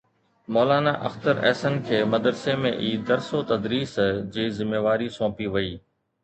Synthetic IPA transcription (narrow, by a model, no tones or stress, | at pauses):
moːlaːnaːʔɐ̰xt̪əɾɛ̰ːsənkʰeːmɐd̪ɾsemḛ̃ʔiːd̪ɐɾsot̪ɐd̪ɾiːsd͡ʑiːzɪmːeːʋaːɾisɔ̃ːpiʋɐiː